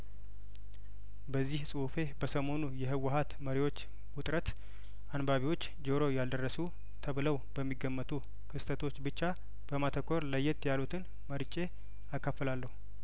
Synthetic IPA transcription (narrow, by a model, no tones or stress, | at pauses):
bəzːihsʼɨfe̞bəsəmo̞nujɛɦɨwəhat̪məɾiwo̞t͡ʃː | wʊt̪ʼɾət̪ | anbaβiwo̞t͡ʃː | d͡ʒoɾo̞jald̪ərːəsu | t̪ʰəβɨləwbəmːiɡːəmːət̪ʰu | kʰɨst̪ʰət̪ʰo̞t͡ʃːbɨt͡ʃːa | b̥əmat̪ʰəkʰːo̞ɾləjːɛt̪jalut̪ʰɨn | məɾt͡ʃʼe̞ | akːafːəlalːəhu